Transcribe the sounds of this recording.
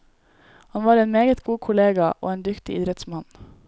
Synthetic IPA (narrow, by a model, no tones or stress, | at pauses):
hɑnʋɑːɾeːnmeːɡət̪ɡuːkʰʊleːɡɑʔo̰ːeːnd̪ʏkt̪ɪ̰ʔɪd̪ɾɛt̪smɑn